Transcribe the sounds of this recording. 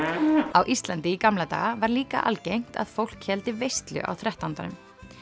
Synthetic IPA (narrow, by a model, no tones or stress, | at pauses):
awʔist̪lant̪ɪikamlat̪a̰ːɣavaɾliːka̰ʔa̰lcejŋ̥t̪a̰ðfowl̥khɛlt̪ɪvejst̪lʏ̰ʔa̰wθɾɛht̪ant̪anʏm